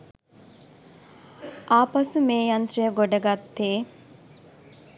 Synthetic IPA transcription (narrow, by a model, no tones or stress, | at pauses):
ʔaːpɐsumeːjɐnt̪ɾɐjəɡoɖɐɡat̪ːeː